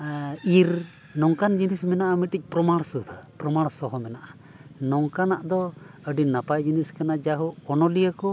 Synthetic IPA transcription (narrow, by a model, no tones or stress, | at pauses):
iɾ | nɔŋkand͡ʒinismɛnaʔamiʈic̚ˀpɾɔmaɽsud̪ʱpɾɔmaɽsɔɦɔmɛnaʔa | nɔŋkanaʔd̪ɔ | əɖinapajd͡ʒiniskanad͡ʒaɦuɔnɔlijakɔ